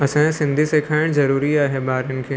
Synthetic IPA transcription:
ɐsãsɪ̃nd̪ʱisekʰaːɪɽ̃zɐɾuːɾiaːɦebaːɾɪnkʰeː

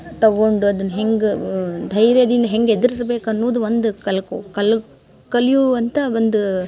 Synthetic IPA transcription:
t̪ɐɡo̞ɳɖuɐd̪ɐnːɐɦe̞ŋɡd̪ʱɐjɾjɐd̪ind̪ɐɦe̞ŋɡed̪ɐɾis̬ɐbe̞ːkɐnːoːd̪uʋond̪ukɐlɐkuːkɐl | kɐljuɐnt̪ɐond̪u

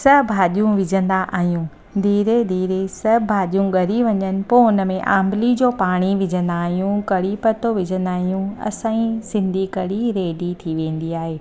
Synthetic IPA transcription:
sɐbʱaːɗijũʋɪd͡ʑʱə̃nd̪aʔa̰ːɦijũː | d̪ʱiːɾed̪ʱiːɾesɐbʱaːɗijũɠɐɾiʋɐɲənɪ̆poːnə̆mẽʔã̰ːmbɪlid͡ʑoːpaːɽ̃iʋɪd͡ʑʱə̃nd̪aːɦijũkɐɽipɐt̪oʋɪd͡ʑʱə̃nd̪aːɦijũɐ̰sãːĩsɪ̃nd̪ʱikɐɽiɾeːɖit̪ʰiʋẽːn̆d̪iaːɦeː

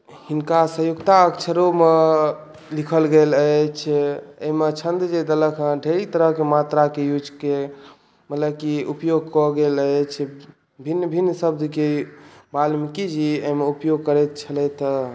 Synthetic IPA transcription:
hinkasəjoɡt̪aəkt͡ʃʰəɾome | likʰəlɡelət͡ʃʰeɦimet͡ʃʰənd̪d͡ʒed̪ələkʰə̃ɖʱeɾit̪əɾəɦkemat̪ɾakejud͡ʒke | mət̪ləb̚kiupjoɡ̚kɔɡelət͡ʃʰ | bʱinːbʱinːsəbd̪kebalmikid͡ʒiəɦmeupjoɡ̚kəɾɛt̪̚t͡ʃʰəlɛt̪

